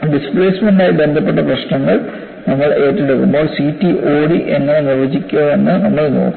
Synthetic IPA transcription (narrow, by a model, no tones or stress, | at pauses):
ɖispɭeːsmeɳɖaːjɐbend̪ʱɐpːe̞ʈːɐprɐɕɳɐŋːɐɭ | nɐmːɐɭe̞ːtːɐɽukːumboːsiːtːiʔoːɽiʔeŋːɐnenɐrɐd͡ʑikʲːuɐʋenːɨnɐmːɐɭno̰ːkː